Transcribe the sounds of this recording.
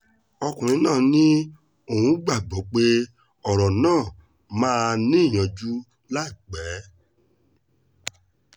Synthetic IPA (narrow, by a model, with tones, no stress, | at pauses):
ɔ˧kũ˨ɾ̃ĩ˨˧˦nãː˦˨nĩ˦ | o˦˨hũ˨˦ɡ͡ba˦˨ɡ͡bɔ˨˦k͡pe˦ | ɔ˨ɾɔ˨nãː˦˨ | mãː˦nĩ˦˨j̃ã˧˨d͡ʒu˦ | la˦i˦˨k͡pɛ˨˦